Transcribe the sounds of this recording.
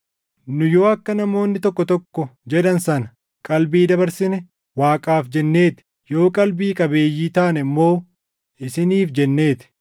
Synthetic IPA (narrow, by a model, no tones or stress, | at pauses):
nʊjo̞ːɐkːɐnɐmo̞ːnːɪt̪ɔkːɔt̪ɔkːɔd͡ʒɛd̪ɐnsɐnɐ̥ | kʼɐlbiːd̪ɐbɐɾsɪnɛ | waːkʼaːfd͡ʒɛnːeːt̪ɪ̥ | jo̞ːkʼɐlbiːkʼɐbe̞ːjːiːt̪aːnɛɐmːo̞ː | ʔɪsɪniːfd͡ʒɛnːe̞ːt̪ɪ̥